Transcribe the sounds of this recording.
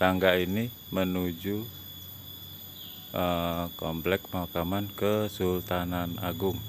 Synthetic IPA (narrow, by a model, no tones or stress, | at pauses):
taŋɡaini | mənud͡ʒu | ʔəkɔmplɛk̚makamankəsult̪anana̰ɡʊŋ